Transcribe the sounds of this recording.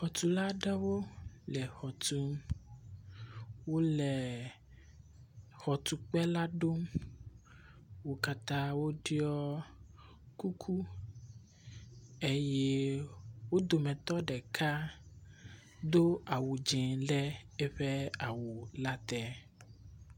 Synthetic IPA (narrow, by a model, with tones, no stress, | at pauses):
xɔ˨t̪u˨la˦ɖɛ˦wo˦ | lɛ˨xɔ˨t̪u˦m | wo˦lɛ˨ | xɔ˨t̪u˨k͡pɛ˦la˦ɖo˦m | wo˦ka˦t̪ã˦wo˦ɖi˦ɔ˦ | ku˦kʰu˦ | e˦je˦wo˦d̪o˨mɛ̃˨t̪ɔ˦ɖɛ˨kʰa˦ | d̪o˦a˨wu˨d͡ʒɛ̃˨lɛ˦e˦ɸɛ˦a˨wu˨la˦t̪ɛ˦